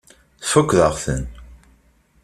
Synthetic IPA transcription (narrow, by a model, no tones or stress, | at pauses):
θfəkʷːðəʁθə̰n